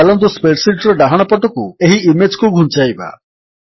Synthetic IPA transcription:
alɔnd̪uspeʈsiʈɾɔɖaɦaɽ̃ɔpɔʈɔkueɦiimed͡ʒkuɡʱũnt͡ʃajba̰

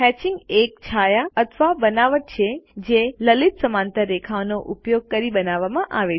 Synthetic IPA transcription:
ɦɛːt͡ɕɪ̃ŋɡeːk̚t͡ɕʰaːjaɐt̪ʰʋabɐnaːʋəʈ̚t͡ɕʰed͡ʑẽːlɐlɪt̪sɐmaːnt̪əɾːeːkʰaːʋnoʔʊpjoːɡ̚kɐɾiɓɐnaːʋamãʔaːʋe

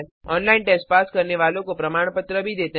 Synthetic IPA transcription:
lɔnlainʈesʈ̚paskəɾneʋalõkopɾəmaɳ̃pət̪ɾəbʱid̪et̪e

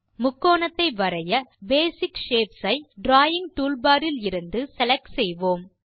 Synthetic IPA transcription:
mʊkːoːɳɐt̪ːɐɪʋɐɾɐjɐbeːsɪkʂeːpsɐɪɖɾaːjɪŋt̪uːlbaːɾɪlɪɾɯnd̪ɯsɛlɐksɛjʋoːm

